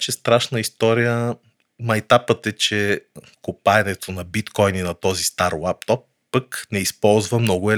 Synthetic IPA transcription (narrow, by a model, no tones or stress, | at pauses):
t͡ʃɛst̪ɾaʃnəist̪ɔɾijə | mɐjt̪apət̪ɛt͡ʃɛ | kopaɛnɛt̪ʰonɐbit̪kɔjninɐt̪ɔzist̪aɾwap̚t̪ɔpːəknɛispɔlˠzvəmnɔɡʊɛ